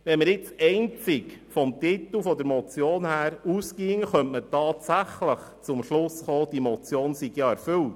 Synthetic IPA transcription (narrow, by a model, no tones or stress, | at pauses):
ʋɛnməɾjɪt͡sɛɪnt͡sɪkfɔmtit̪l̩fɔd̪əɾmɔt͡sjoːnhæːɾuskiːŋəχœntmətɑːtsæχləχt͡sʊmʃlʊsχoːd̥imɔt͡sjoːnsiɡ̥jɑæɾfʏlt